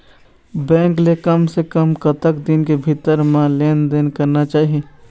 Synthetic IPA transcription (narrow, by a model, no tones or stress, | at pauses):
bɛ̃ːŋklekəmsekəmkɐt̪əkd̪ɪnkebʱit̪əɾmãleːnd̪eːnkɐɾnat͡ʃaːɦieː